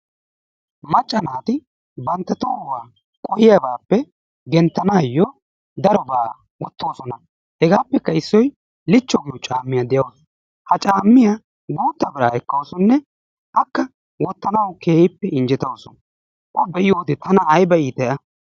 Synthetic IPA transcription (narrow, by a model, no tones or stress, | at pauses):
mɐt͡ʃʼːɐnaːt̪ɪ | bɐnt̪ːɐt̪oːwaː | kʼɔhɪjabaːpːɛ | ɡɛnt̪ːɐnaːjːoː | d̪ɐɾɔbaː | wɔt̪ːo̞ːsɔnɐ | hɛɡaːpːɛkːɐɪsːɔj | lɪt͡ʃːɔɡɪʊt͡ʃʼaːmːɪjɐd̪ɛjɐws | hɐt͡ʃʼaːmːɪja | ɡuːt̪ːɐbɪɾa̰ːɛkːɐwsɔnːɛ | ʔɐkːɐ | wɔt̪ːɐnɐwkʰeːhɪpːɛɪnd͡ʒɪt̪ɐwsɔn | ʔɔbɛʔɪjoːd̪ɪt̪ɐnɐːjbɐiːt̪ɛʔɐ